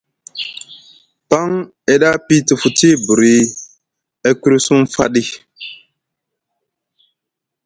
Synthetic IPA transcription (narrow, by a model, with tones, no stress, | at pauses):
pa˦ŋ | ɛ˨ɗa˦pi˦tə˨fu˨ti˦bu˨ɾi˨ | ɛ˦ku˦ɾi˦su˦mfa̰˦ɗi˦